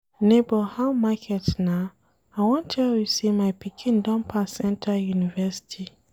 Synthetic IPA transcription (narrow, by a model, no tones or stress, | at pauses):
nebɔhãmmakʰɛtnã | awɔ̃ntʰɛwisimaɪpʰikʰĩndɔ̃mpʰasɛ̃ntʰajunivɛsi̥tʰi